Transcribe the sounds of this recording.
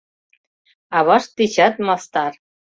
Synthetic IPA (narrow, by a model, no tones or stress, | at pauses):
ɑβɑʃt̪it͡ɕɑt̪̚mɑst̪ɑr